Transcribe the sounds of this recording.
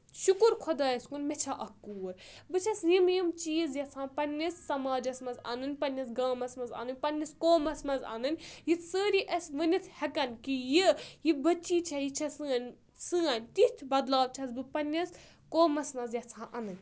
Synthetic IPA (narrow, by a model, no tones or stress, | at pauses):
ʃukuɾkʰɔd̪aːjɐskunmet͡ʃʰɐʔɐkːuːɾbɨt͡ʃʰɐsjimjimt͡ʃiːzjɐt͡sʰãːpɐnʲːisːɐmaːd͡ʒɐsmɐzɐ̰nɨnʲpɐnʲːɐs̬ɡaːmɐsmɐza̰ːnɨnʲpɐnʲːiskoːmɐsmɐzɐ̰nɨnʲjit͡səːɾiʔɐsʲʋɨnʲit̪ʰhɐkɐnkijijibɐt͡ʃːiːt͡ʃʰɐjit͡ʃʰɐsɨːɐnʲ | sɨːɐnʲt̪it̪ʰbɐd̪laːʋt͡ʃʰɐsbɨpɐnʲːis | koːmɐsmɐzjɐt͡sʰãːʔɐnɨnʲ